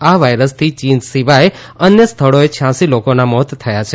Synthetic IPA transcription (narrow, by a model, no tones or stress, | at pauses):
aʋajɾəst̪ʰit͡ʃind͡ʒsiʋaj | ənjəst̪ʰəɭoet͡ʃʰjãsilokonamɔt̪t̪ʰəjat͡ʃʰe